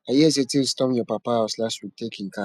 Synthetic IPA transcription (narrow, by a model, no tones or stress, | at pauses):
ajɛs̬etilstɔ̃mjɔpapahaʊslastwik̚tekĩŋka